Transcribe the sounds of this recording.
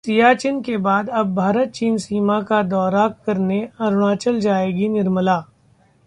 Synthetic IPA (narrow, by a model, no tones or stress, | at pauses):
sijat͡ʃɪnkebaːd̪ɐbːʱaːɾət̪̚t͡ʃiːnsiːmakad̪ɔːɾakɐɾneɐɾʊɽ̃aːt͡ʃəld͡ʒaːeːɡinɪɾməlaː